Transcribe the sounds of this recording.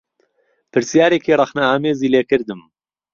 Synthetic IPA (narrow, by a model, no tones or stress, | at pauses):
pʰɨɾsjaːɾeːkirˤɐxnaaːmeːziːleːkɨɾd̪ɨm